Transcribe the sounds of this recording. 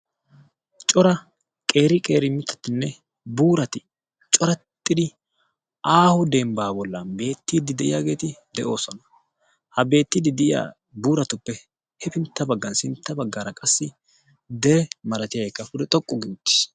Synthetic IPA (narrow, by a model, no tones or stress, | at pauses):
t͡ʃʼɔɾɐ | kʼe̞ːɾɪkʼe̞ːɾɪmɪt̪ːɐ̥t̪ːɪnːɛ | buːɾɐt̪ɪ | t͡ʃʼɔɾɐt̪ʼːɪd̪ɪ | aːhʊd̪embaːbɔlːɐnbe̞ːt̪ːid̪ɪd̪ɛʔɪjaːɡe̞ːt̪ɪd̪ɛʔo̞ːsɔnɐ̥ | hɐbe̞ːt̪ːɪd̪ɪd̪ɪɪja̰ | buːɾɐt̪ʊpːɛ | hɛbɪnt̪ːɐbɐɡːɐnsɪnt̪ːɐbɐɡːaːɾɐkʼɐsːɪ | d̪ɛɛmɐɾɐt̪ɪjajɛkːɐfʊd̪ɛt̪ʼɔkʼːʊɡɪʊt̪ːɪ̥s